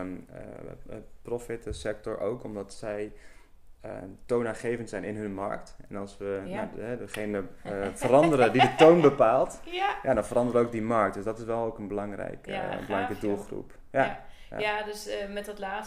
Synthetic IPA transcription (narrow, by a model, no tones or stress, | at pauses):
mə̰ | prɔfɪtsɛk̚tɔ̰ɹʔo̰wkɔmdɑtsɛj | ə̰tonaːnχejvəntsɛjnɪnɦənmɑ̰ɹktɛnɑlˠsʋənaɦɛdəχejnəfərɑndəɾədidətownbəpaːlˠtjaːdɑnfəɾɑndəɾəowk̚dimɑɹk̚t̚dɵsdɔtɪsʋɛlˠowkənbəlɑŋrɛ̰jkbəlɑŋrɛjkədulˠχrṵp | ja | ja̰adøsmɛttlaː